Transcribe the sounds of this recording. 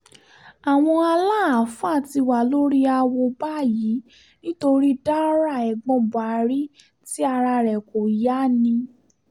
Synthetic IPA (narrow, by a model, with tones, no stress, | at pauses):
a˨w̃ɔ̃˧a˧la˦˨a˨fa˦˨ti˧wa˨lo˦ɾi˦a˧wɔ˧ba˦˨ji˨˦ | nĩ˦to˧ɾi˦da˦ɾa˦˨ɛ˨ɡ͡bɔ̃˨˧ba˨ɾi˦ | ti˦a˧ɾa˧ɾɛ˨ko˨i˨ja˦nĩ˧